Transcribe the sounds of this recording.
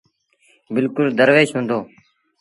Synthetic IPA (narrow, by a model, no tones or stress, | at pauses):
bɪlkʊld̪əɾʋeːʃɦũːnd̪oː